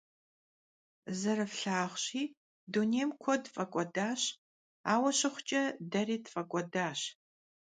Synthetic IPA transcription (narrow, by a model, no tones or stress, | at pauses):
zɐɾɨfɬaːχɕiː | duneːmkʷʰɔdfʼɐkʷʼɔdaːɕ | aːwɐɕɪχʷʊt͡ʃʼɐdɐriːdfʼɐkʷʼɔdaːɕ